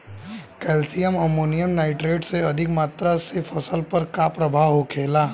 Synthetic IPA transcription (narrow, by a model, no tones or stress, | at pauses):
kɛːlsijəmɐmoːnijəmnaːɪʈɾeːɖseɐd̪ʱɪkmaːt̪ɾasefʰɐsəlpɐɾkapɾɐbʱaːɦokʰeːlaː